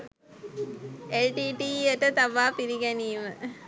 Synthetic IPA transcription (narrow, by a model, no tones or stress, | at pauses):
elʈiːʈiːəʈət̪aʋaːpiɾiɡɛniːmə